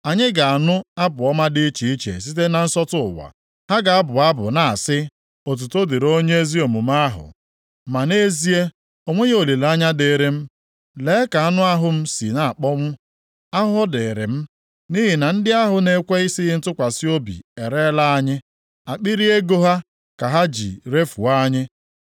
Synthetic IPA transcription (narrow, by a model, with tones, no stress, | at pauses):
a˨ɲɪ˦ɡa˨a˨nʊ˦a˦bʊ˨ɔ˦ma˦dɪ˦i˦t͡ʃi˨i˦t͡ʃḛ˨s̬i˦t̬e˦na˨n̩˦sɔ˦tʊ̰˦˨wa̰˨ | ha˦ɡa˨a˦bʊ˨a˦bʊ̰˨na˨a̰˨sɪ˦ | o˨t̬u˨to˦de˨ɾo˦ɲe˦e˦zi˦o˨mu˨m˦a˦ɦʊ̰˨ | ma˨ne˦zi˦e˦ | o˨ŋʷe˦ɲe˦o˨li˨la˦ɲa˦de˨˦˨ɾe˦m̩˦ | le˨˦ka˨a˦nʊ˦a˦ɦʊ˦m̩˦si˨na˨a˨k͡pɔ˦ŋʷʊ˦ | a˦ɦʊ˦ɔ˦de˨ɾɪ̰˨m̩˦ | ni˦ɦi˨na˨n̩˦dɪ˦a˦ɦʊ˦ne˦kʷe˦i˦si˦ɦɪ˦n̩˦tʊ˦kʷa˨si˦o˦bḭ˨e˨ɾe˦la˦a˦ɲɪ˦ | a˨k͡pi˦ɾi˦e˦ɡo˦ɦa˦ | ka˨ɦa˦d͡ʒḭ˨ɾe˦fu˨a˦ɲɪ˦